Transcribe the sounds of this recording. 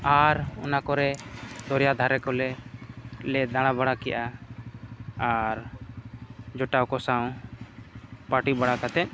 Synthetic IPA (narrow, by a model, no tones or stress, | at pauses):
aɾɔnakɔɾɛd̪ɔɾjad̪ʱaɾɛkɔlɛ | lɛd̪aɽ̃abaɽakɛjʔa | ɾ | d͡ʒɔʈawkɔsaw̃ | paʈibaɽakat̪ɛʔ̚